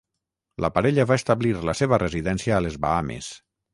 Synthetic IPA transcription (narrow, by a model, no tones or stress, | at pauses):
ləpaɾɛʎəβaest̪aβliɾləseβəreziðɛnsiaːlezβa̰amḛs